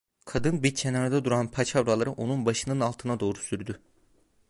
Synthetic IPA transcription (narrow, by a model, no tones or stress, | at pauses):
kʰad̪ɯnbiɾt͡ʃʰenaɾad̪ad̪uɾanpʰat͡ʃʰavɾalˠaɾɯʔo̞nunbaʃɯnɯnalˠt̪ʰɯnad̪o̞ːɾusyɾd̪y